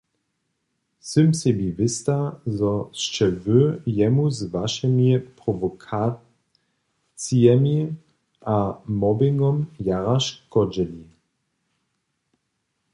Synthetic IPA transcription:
sɪmsɛbivɪst̪azɔt͡ʃɛvøjɛmuzvaʃɛmipʁɔvɔkʰa | t͡sijɛmi | ʔamɔbɪŋɡɔmjaʁaʃkɔd͡ʒɛli

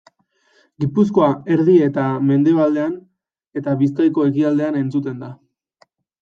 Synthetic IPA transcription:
ɡipusko̞ae̞ɾðie̞t̪ame̞nd̪e̞β̞ald̪e̞an | e̞t̪aβiskajko̞e̞kiald̪e̞ane̞nt͡sut̪e̞nd̪a

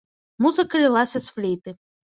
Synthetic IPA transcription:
muzɨkɐlʲɪlˠasʲɐsflʲijt̪ɨ

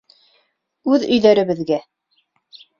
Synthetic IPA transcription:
ʉðɵ̆jðæɾɘ̆βɘ̆ðɡæ

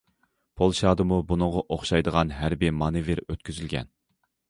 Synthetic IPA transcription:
pʰolˠʃɑːd̪ɨmubunɨŋʁɑʔoχʃɑjd̪əʁɑnɦæɾbimɑnɨveɾøt̪̚kʲʰyzylɡʲɛ̰n

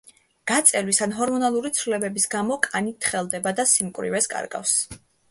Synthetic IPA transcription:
ɡ̥at̪sʼɛlwisanɦɔɾmɔnalˠuɾit̪sʰɾulɛbɛbisɡamɔkʼanit̪ʰχɛlˠd̪ɛbad̪asimkʼwɾḭvɛskʼa̰ɾɡa̰fs

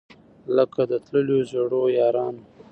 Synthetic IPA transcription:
ləkad̪ət̪ləljozeɽojɑːɾɑno

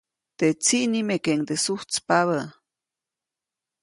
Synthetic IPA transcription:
t̪et͡siʔnimekeŋt̪esuht͡spaβə

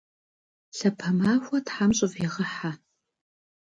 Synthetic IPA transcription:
ɬɐpʰɐmaːxʷɐtħamɕʼɪviʁɐħa

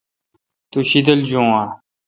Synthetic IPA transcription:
t̪uɕid̪əld͡ʑõːa

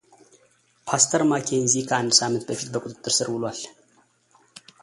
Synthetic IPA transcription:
pʰast̪ʰəɾmakʰeɨnzikʰəand̪samɨnt̪bəfit̪bəkʼut̪ʼɨt̪ʼːɨɾsɨɾhulwal

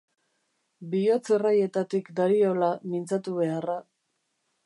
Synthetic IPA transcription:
bio̞t͡seraje̞t̪at̪ikd̪aɾio̞lamint͡sat̪uβe̞ara

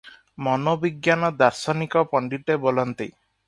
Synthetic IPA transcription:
mɔnobiɡjanɔd̪aɾsɔnikɔpɔɳɖiʈebolɔnt̪e

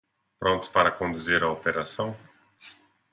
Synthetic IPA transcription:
pɾõnt̪ʊ̥paɾɐkõnd̪uzeɾɐopeɾasɐ̃w̃

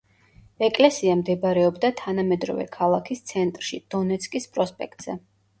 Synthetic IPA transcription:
ɛkʼlɛsiamd̪ɛbɾɛɔbd̪at̪ʰanamɛd̪ɾɔ̰vɛ̰kʰalˠakʰist̪sʰɛnt̪ʼɾʃid̪̥ɔnɛt̪sʰkʼispʼɾɔspʼɛkt̪ʼz̥ɛ

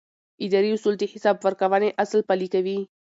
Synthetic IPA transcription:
ɪd̪ɑɾiʊsuld̪ehɪsɑbwəɾkawəneʔaslpalikawi

